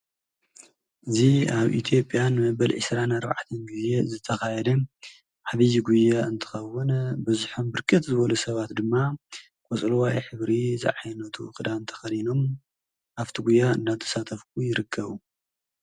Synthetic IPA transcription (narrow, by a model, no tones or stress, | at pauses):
ʔɨziaβʔḭt̪ʰjo̞pʼjanmɐbɐlʕɨsɾanaɾba̰ʕt̪ʰɐnɡuzezɨt̪ʰɐxajɛd̪ɐ | ʕaβijɡujːaɨnt̪ʰɨ̥xɐwːɨnbɨzuħombɨɾkʰɨt̪zɨβɐlusɐβat̪d̪ɨmːa | kʼot͡sʼlwajħɨβɾizɨ̰ʕajnːɐt̪ʰuɨxʼɨd̪aɨnt̪ʰɐ̥xɐlino̞m | ʔaft̪ʰiɡujːaɨ̰nːat̪ʰːɐ̥sat̪ʰɐfk̚ʰujɪɾɨkʰːɐβu